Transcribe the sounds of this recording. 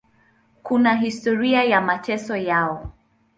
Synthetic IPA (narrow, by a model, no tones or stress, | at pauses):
kunaɦistɔɾiajamatɛsɔjaɔ